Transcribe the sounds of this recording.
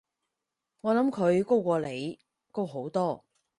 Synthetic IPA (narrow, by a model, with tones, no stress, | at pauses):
ŋɔː˨˧lɐ˨˥mkʰɵ˨˧ɥko˥wkʷɔː˧le˨˧j | ko˥wɦo˨˥wt̪ɔː˥˩